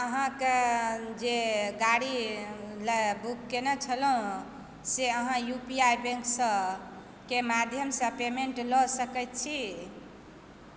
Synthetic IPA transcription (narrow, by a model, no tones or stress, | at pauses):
əɦãked͡ʒeɡaɽiləbukːenɛt͡ʃʰəlũ | seəɦãjupiajbẽŋksə̃ | kemad̪ʱjəmsə̃pemeɳʈlɔsəkɛjt̪̚t͡ʃʰi